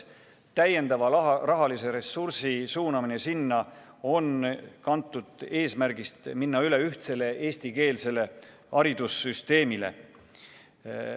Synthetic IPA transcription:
t̪æje̞nd̪̥ɑvɑrɑɦɑlise̞ɾe̞sursisuːnɑmine̞sinːɑ | o̞nkɑnt̪ːˑud̪̥e̞ːsmæɾɡ̥ist̪minːɑyle̞yht̪se̞le̞ʔe̞ːst̪ike̞ːlse̞le̞ | ɑɾid̪̥usːyst̪e̞ːmile̞̰

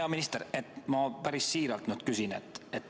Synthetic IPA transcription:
ɑminist̪eɾe̞t̪ːˑmɑpæɾisːiːɾɑlt̪nyd̪̥kysinet̪ːˑet̪ː

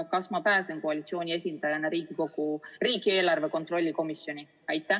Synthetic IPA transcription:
kɑsmɑpæːsenkoɑlʲit̪sio̞ːnʲie̞sʲind̪̥ɑjɑnɑɾiːɡ̥iko̞ɡ̥uriːɡie̞ːlɑrve̞ko̞nt̪ˑro̞lʲːiko̞misːjo̞nʲi | ɑjt̪ˑːæ

